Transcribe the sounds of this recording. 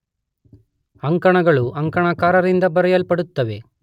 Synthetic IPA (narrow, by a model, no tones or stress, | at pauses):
ɐŋkɐɳɐɡɐɭuʔɐŋkɐɳɐkaːɾɐɾind̪ɐbɐɾɐjɐlpɐɽut̪ːɐʋe̞